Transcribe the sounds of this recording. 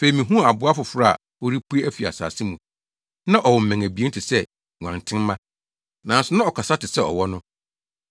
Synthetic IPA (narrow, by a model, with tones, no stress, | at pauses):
fe˨ɾi˨mĩ˨ɦũ˦˨a˨bʊ˨˦a˦fʊ˨fʊ˨ɾa˦˨a̰˨ | o˦ɾi˦pʰu˦e˦æ˦fi˨a̰˨sa̰ː˨sɪ˦mũ˨ | nã˦ʔɔ˨wɔ˨m̩˨mæ̃˨ŋæ˨bi˨˦e˦tʰɪ˨sɛ˦˨ | ŋã˨ntʰɪ̃˦m˦mã˦ | nã˨n˦sʊ˦nã˦ɔ˨kʰa˨sa˦tɪ˨sɛ˦ɔ̰˨wɔ˦nʊ̃˦